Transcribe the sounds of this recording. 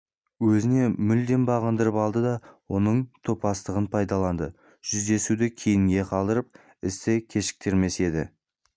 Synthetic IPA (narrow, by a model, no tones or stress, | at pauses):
wɵzɪne̞mʏld̪e̞nbɑʁənd̪əɾəpɑlˠd̪əd̪ɑwo̞nəɴt̪ʰopɑst̪əʁənpʰɑjd̪ɑlˠɑnd̪ə | ʒ̥ʏzd̪e̞sud̪ɪkʲʰejɪŋɡʲe̞qʰɑlˠd̪əɾəp̚ | ɪst̪ɪkʲʰe̞ʃɪ̥k̚t̪e̞ɾme̞se̞d̪ɪ̰